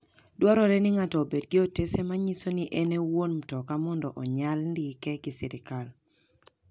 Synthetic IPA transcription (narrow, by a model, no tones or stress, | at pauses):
dwɔɾɔɾɛnɪŋatɔːbedɡɪotesemaɲisoniʔɛnewonm̩tɔkamɔndɔʔɔɲalndikɛɡɪsɪɾɪkal